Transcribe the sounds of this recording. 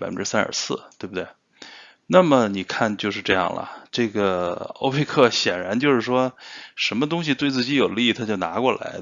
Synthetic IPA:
a˨˩fə˥sa˥nə̰˞˨˩sɹ̩˥˩t̪we˥˧bu˩t̪we˥˩ɪ | na˥˩mə˩ni˨˩kʰa˥˩nt͡ɕjo˥˧ʊʂ̬ɻ̩˥˧ʈ͡ʂɤ˥˧jɑ̰˥˩ŋlə̰˩ʈ͡ʂɤ˥˩ɡə˩o̰˥ʊpʰe˥˧ɪkʰɤ˥˩ɕjɛ˨˩nɻa˧˥nt͡ɕjo˥˧ʊʂɻ̩˥˩ʂwɔ˥ʂə˧˥nmə˧t̪ʊ˥ŋɕ̬i˨t̪we˥˧ɪt͡sɹ̩˥˩t͡ɕi˧˥jo˨˩ʊli˥˩t̪ʰa˥t͡ɕjo˥˩ʊna˧˥kwɔ˥˩la̰˧˥ɪ

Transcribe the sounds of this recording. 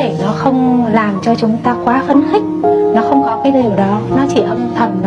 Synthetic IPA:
e˧˩nɔ˨˦xə˧wŋ͡mlaː˨˩mt͡ɕɔ˧t͡ɕʊ˨˦ŋ͡mt̪aː˧kwaː˨˦fə˨˧˥nxï˦˥k̟̚nɔ˨˦xə˧wŋ͡mkɔ˨˦kaː˨˦jzwɗɔ˨˦nɔ˨˦t͡ɕḭ˧˩ʔə˧mt̪ʰə˨˩nv

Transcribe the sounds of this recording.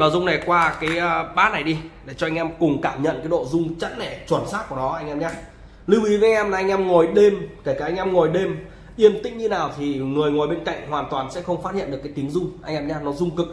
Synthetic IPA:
ɓaː˨˩zʊ˧ŋ͡mna˨˩jkwaː˧kaː˨˦jəː˧ɓaː˨˦na˨˩jɗi˧ɗe˧˩t͡ɕɔ˧ʔa˧ŋʔɛ˧mkʊ˨˩ŋ͡mkaː˧˩mɲə̰˧˨nkaː˨˦jɗo̰˧˨zʊ˧ŋ͡mt͡ɕə˧˥n̚nɛ˧˩t͡ɕwə˨˩nsaː˦˥t̚ku˧˩ənɔ˨˦ʔa˧jŋʔɛ˧mɲaː˧ | lɨ˧wʔi˨˦va˨˧˦ŋʔɛ˧mlːʔjŋ̟ʔɛ˧mŋɔ˨˩jɗe˧mke˧˩kaː˧˩ʔa˧jŋ̟ʔɛ˧mŋɔ˨˩jɗe˧m | ʔi˧əmt̪ï˧˥ŋ̟ɲɨ˧naː˨˩wt̪ʰi˨˩ŋɨ˨˩əjŋo˨˩jɓe˧nka̰˧˨jŋ̟hwaː˨˩nt̪waː˨˩nsɛ̰˧˥xə˧wŋ͡mfa˦˥t̚ḭ˧˨nɗɨ˨˩əkːjt̪i˨˦ə˦ŋzʊ˧ŋ͡mʔa˧jŋ̟ʔɛ˧mɲaː˧nɔ˨˦zʊ˧ŋ͡mkɨ˨˩k̚

